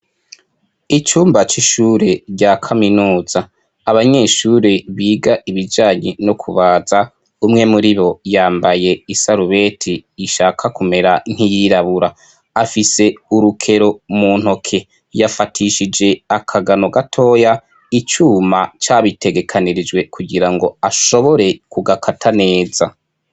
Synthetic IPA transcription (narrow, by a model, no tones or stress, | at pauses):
it͡ʃuːmbat͡ʃiʃuːɾe̞ɾɟakʰaminuːz̥aː | βaɲe̞ːʃuːɾe̞βiːɡaʔiβid͡ʒaːɲenokʰuβaːza | umŋe̞muɾiβo̞jaːmbaje̞isaɾuβe̞tʰiːʃaːkʰakume̞ɾan̥ijiɾaβuɾaː | fise̞uɾukʰe̞ɾo̞mun̥ho̞kʰe̞ | jafatʰiʃid͡ʒe̞akʰaɡano̞ɡatʰo̞ːja | it͡ʃuːmat͡ʃaːβitʰe̞ɡe̞kʰaniɾid͡ʒwe̞kʰuɡiɾaŋɡo̞aʃo̞βo̞ɾe̞kuɡakʰatʰane̞ːza